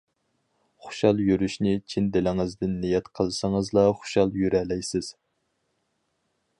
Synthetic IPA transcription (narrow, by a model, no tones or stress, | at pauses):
χʊ̥ʃɑlˠjyɾyʃnɪt͡ʃʰind̪ɪlɪŋɪzd̪ɪnːijɛt̪qʰəlˠɨsɑŋəzlˠɑχʊ̥ʃɑlˠjyɾɛlɛjsɪz̥